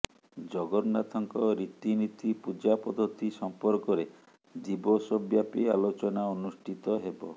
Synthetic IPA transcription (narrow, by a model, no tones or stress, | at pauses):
d͡ʒɔɡɔɾnat̪ʰɔŋkɔɾit̪init̪ipud͡ʒapɔd̪ʱɔt̪isɔmpɔɾkɔɾe | d͡ʒibɔsɔbjapialot͡ʃɔnaonusʈʰit̪ɔɦebɔ